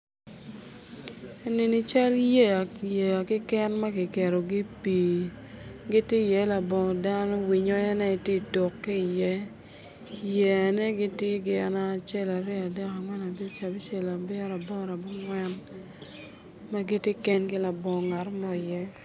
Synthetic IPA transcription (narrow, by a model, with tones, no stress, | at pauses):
e˦nɪ˨ni˦t͡ʃa˦lje˦a˨je˨a˨kɪ˦kɛ˦nma˦ɡɪ˨kɛ˨ɾo˨ɡi˦pi˨ | ɡɪ˦tje˦jɛ˨˦la˨bɔ˨da˦nɔ˦wi˨ɲɔ˦ɛ˦nɛ˦˨te˦˨to˨kːi˦i˨jɛ˦ | jɛ˦˨a˨nɛ˦ɡɪ˦tje˦ɡɪ˨a˨na˨˦˨t͡ʃɛ˦la˨ɾɛ˦a˨dɛ˦ka˨ŋwɛ˦na˨be˦t͡ʃa˨bi˦t͡ʃɛ˨la˨bɛ˦ɾa˨bɔ˦ɾa˨bɔ˦ŋwɛ˦n | ma˦ɡɪ˦tjɪ˦kɛ˦nkɪ˦la˨bɔ˨ŋa˨ɾmɔ˦˨jɛ˦